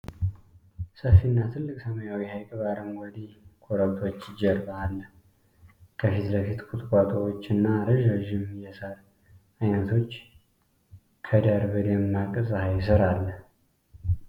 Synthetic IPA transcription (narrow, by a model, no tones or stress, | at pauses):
səfːinːat̪ʰɨlːɨkʼsəməjawihajkʼβaɾɨmwɔd̪ikʰʼoɾəβt̪ʰo̞t͡ʃːɪd͡ʒɛɾbaːlːə | kʰəfit̪ləfit̪kʼʊt̪ʼkʼat̪ʼəwot͡ʃːɨnːaɾɨʒaʒɪmjɛsaɾ | ajnət̪ʰo̞t͡ʃː | kʰəd̪aɾbəd̪emːakʼɨzʼhajsɨɾalːəh